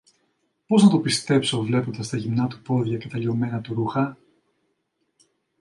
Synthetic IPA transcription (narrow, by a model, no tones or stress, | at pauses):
po̞znɐt̪o̞pist̪e̞pso̞vle̞po̞nd̪ɐst̪ɐʝimnɐt̪u̥po̞ðʝɐce̞t̪ɐlio̞me̞nɐt̪uɾuxɐ